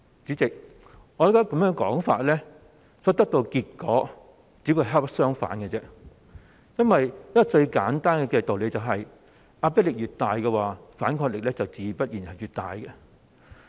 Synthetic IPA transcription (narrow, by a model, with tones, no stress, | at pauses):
t͡syː˨˥t͡sɪ˨k̚ | ŋɔ˨˧ɾkːkɐ˨˦mjœː˥ŋkɔ̰ː˨˥ŋfaː˨t̚lɛː˥ | sɔː˨˥t̪ɐ˥k̚t̪o˧wkiː˧t̚kɔː˨˥ | t͡siː˨˥wu˧ɦa˥psœː˥ŋfa̰ː˨˥nkɛ˧t͡sɛː˥ | jɐ˥nwɐ˨jnɐ˥kɔ˧t͡ʃɵ˧ɥkaː˨˥nt̪aː˥nkɛ˧kɛ˧t̪o˨wle˨˧jt͡sɐ˨˩wɦɐ˨j | aː˧pɛː˥t̚lɪ˨k̚jyː˨t̪aː˨jkɛ˧waː˨faː˨˥nkʰɔː˧k̚lɪ˨k̚lɛː˥t͡sɐ˨wt͡siː˨˧˩pɐ˥t̚jiː˨˩nhɐ˨jyː˨˩t̚t̪a̰ː˨jkɛ˧